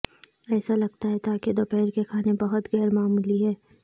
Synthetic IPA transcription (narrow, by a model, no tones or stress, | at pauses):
ɛːsalɐɡ̚t̪aɦɛt̪aked̪opɛːɾkekʰaːnebɐɦʊt̪ɣɛːɾmaːmuːliɦɛː